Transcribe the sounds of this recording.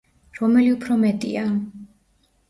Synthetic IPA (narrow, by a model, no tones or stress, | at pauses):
ɾɔmɛliupʰɾɔmɛt̪ʼḭa